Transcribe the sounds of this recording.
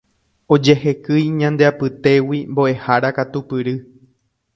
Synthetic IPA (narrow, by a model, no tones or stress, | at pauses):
o̞d͡ʒe̞ɦe̞kɨjɲãnd̪eapɨt̪e̞wimbo̞ʔe̞haɾakat̪upɨɾɨ